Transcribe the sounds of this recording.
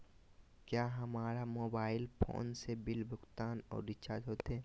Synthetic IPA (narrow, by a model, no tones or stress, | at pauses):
kjaːɦɐmaːɾamoːbaːɪlpʰo̰ːnsebɪlbʱʊkt̪aːnɔ̰ːɾɖɪt͡ʃad͡ʒɦoːt̪ɦɛː